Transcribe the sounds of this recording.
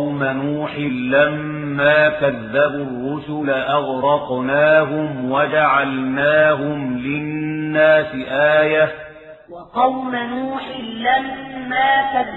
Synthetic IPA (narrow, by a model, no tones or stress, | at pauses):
manuːħɪːamː | aːkaðːabʊrːʊsʊlaʔɑɣɾɑqnaːɦʊmwad͡ʒaʕalnaːɦʊmlɪnːaːsɪʔaːja | wɑqɑwmanuːħɪlamːaːka